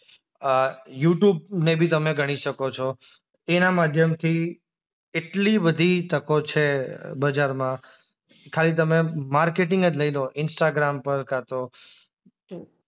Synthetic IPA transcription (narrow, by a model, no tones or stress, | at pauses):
juʈjubnebʱit̪əmeɡʱəɽ̃iʃəkot͡ʃʰo | enamad̪ʱjəmt̪ʰi | eʈlibəd̪ʱit̪əkot͡ʃʰebəd͡ʒaɾmã | kʰalit̪̬əmemaɾkeʈɪ̃ŋɡəd͡ʒləiloʔɪnsʈaɡɾampəɾkat̪o | o